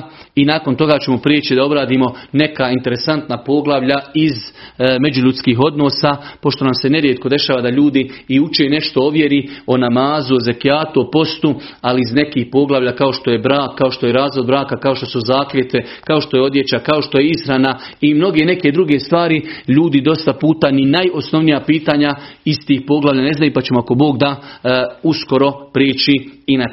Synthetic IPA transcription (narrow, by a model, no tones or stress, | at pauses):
inaːko̞nt̪o̞ɡaːt͡ɕe̞mo̞pɾiːt͡ʃid̪ao̞bɾaːd̪iːmo̞ne̞kaint̪e̞ɾe̞sant̪napo̞ɡlˠaʋʎaizme̞d͡ʒuʎut̪skiːɦo̞d̪no̞ːsapo̞ʃt̪o̞namse̞ne̞ɾjet̪̚ko̞d̪e̞ʃaːʋad̪aʎuːd̪iːut͡ʃene̞ʃt̪o̞o̞ʋje̞ɾio̞namaːzuoze̞kjaːt̪uopo̞st̪u | aliizne̞kiːhpo̞ɡlˠaʋʎakao̞ʃt̪o̞jebɾaːkːao̞ʃt̪o̞jeɾaːzʋo̞d̪̚bɾaːkakao̞ʃt̪o̞suzaːklʲet̪ʋe | kao̞ʃt̪o̞jeo̞d̪je̞t͡ɕakao̞ʃt̪o̞je̞isxɾana | imno̞ɡe̞ne̞ke̞d̪ɾuɡe̞st̪ʋaːɾiʎuːd̪id̪o̞st̪apuːt̪aninajo̞sno̞ʋnijapiːt̪aːɲaiz̥t̪iːhpo̞ɡlˠaʋlʎaːne̞znajupat͡ʃe̞moako̞bo̞ːɡd̪a | usko̞ɾo̞pɾiːt͡ʃiina